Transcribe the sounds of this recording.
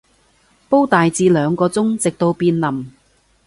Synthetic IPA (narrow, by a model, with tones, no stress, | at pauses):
po˥wt̪aː˨jt͡siː˧lœː˨˧ŋkɔː˧t͡sʊ˥ŋt͡sɪ˨k̚t̪o˧wpiː˧nlɐ˨˩m